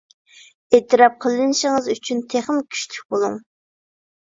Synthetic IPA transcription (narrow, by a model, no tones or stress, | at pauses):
et̪ɨɾɑp̚qʰəlˠːɨnɪʃɪŋəzyt͡ʃʰynt̪ʰeχnkʲʰy̥ʃt̪ʰy̥kʲbolˠuŋ